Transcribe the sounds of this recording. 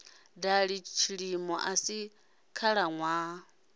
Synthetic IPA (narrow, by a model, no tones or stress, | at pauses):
daɺit͡ʃʰiɺimɔʔasi | kʰaɺaŋwa